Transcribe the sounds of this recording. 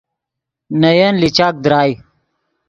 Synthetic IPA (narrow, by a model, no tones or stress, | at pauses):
nɐjɐnlit͡ɕaːk̚d̪ɾaːj